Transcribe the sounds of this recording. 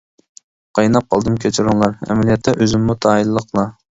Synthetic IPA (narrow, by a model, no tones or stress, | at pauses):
qʰɑjnɑp̚qʰɑlˠd̪ɨmkʲʰet͡ʃʰiɾuŋlˠɑɾɛ̰mɛlijɛt̪ʰːɛʔøzɪmːut̪ʰɑːilːəqlˠɑ